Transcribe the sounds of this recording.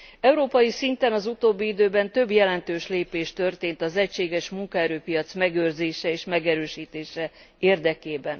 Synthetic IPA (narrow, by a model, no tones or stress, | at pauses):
ɛuɾoːpɒjisint̪ɛnɒzut̪oːbːiid̪øːbɛnt̪ø̞bjɛlɛnt̪øːʃleːpeːʃt̪ø̞rt̪eːnt̪ɒzɛcʃeːɡɛʃmuŋkɒɛɾøːpijɒt̪smɛɡøːrzeːʃɛeːʃmɛɡɛɾøːʃiːt̪eːʃɛ | eːrd̪ɛkeːbɛn